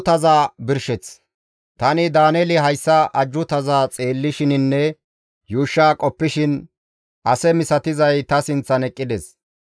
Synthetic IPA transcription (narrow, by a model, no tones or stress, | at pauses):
t̪ɐzaːbɪɾʃɛt͡s | t̪ɐnɪd̪aːneːlɪɦɐjsːɐʔɐd͡ʒːʊt̪ɐzaːt͡sʼeːlːɪʃɪnɪnːɛ | juːʃːaːkʼɔpːɪʃɪn | ʔɐsɛmɪsɐt̪ɪzɐjt̪ɐsɪnt͡sːɐnɛkʼːɪd̪ɛs